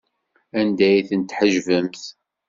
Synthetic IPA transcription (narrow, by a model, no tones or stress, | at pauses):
ænd̪æjθənt̪ːħəʒvəmθ